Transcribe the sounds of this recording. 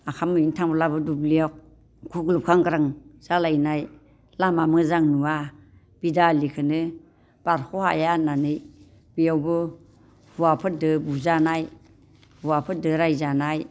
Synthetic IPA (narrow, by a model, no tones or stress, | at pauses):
akʰamɯintʰaŋbɔlabɯdublijɔk̚ | ɡʰuklup̚kʰaŋɡaɾaŋz̥alajnaj | lamamɯzaŋnua | b̥idalikʰɯnɯ | b̥aɾkʰɔha̰jananɯj | bijawbɯ | huwapʰɯt̚dɯbuzanaj | huwapʰɯt̚dɯɾajzanaj